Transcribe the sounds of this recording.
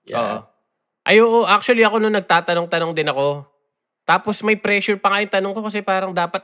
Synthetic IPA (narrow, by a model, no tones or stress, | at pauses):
ʔo̰ːʔo̰ | ʔɐjoːʔoʔak̚t͡ʃwɐliɐko̞noŋnɐɡ̚t̪aːt̪ɐnoŋt̪ɐno̞ŋd̪ɪnɐko̞ | t̪aːpo̞smɐjpɾɛʃʊɹpɐŋaʔɪnt̪ɐnoŋko̞kɐs̬ɛpaːɾɐŋd̪aːpɐt̪̚